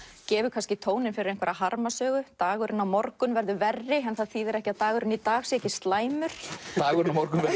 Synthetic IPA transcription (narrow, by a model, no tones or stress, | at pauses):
cɛːvʏkʰanscɪt̪ʰoːwnɪnfɪɾɪɾejŋkvɛɾaɦaɾmasœːɣʏt̪aːɣʏɾɪnːawmɔɾkʏnvɛɾðʏvɛrːɪɛnθaðθiðɛɾɛhcɪaðt̪aːɣʏɾʏnit̪aːɣsiɛhcɪst̪laːjmʏɾ̥t̪aːɣʏɾɪnamɔɾkʏnvɛ